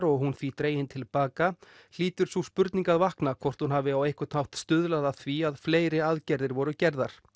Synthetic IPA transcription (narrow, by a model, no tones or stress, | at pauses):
ɾɔɣɦunθvit̪ɾeːjɪnt̪ʰɪlpaːka | l̥iːt̪ʏɾ̥suspʏɾt̪niŋkaðvahknakʰvɔr̥t̪hunɦaːvɪawejhkʏ̥t̪hawht̪st̪ʏðlaðaθviaðfleːjɾɪaðcɛɾðɪɾvɔɾʏcɛɾðaɾ̥